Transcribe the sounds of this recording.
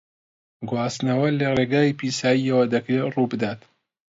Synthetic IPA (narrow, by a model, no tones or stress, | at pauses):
ɡwaːsnɐwɐlereːɡaːjipʰiːsaːjiɐwɐd̪ɐkɾerubɨd̪aːt̪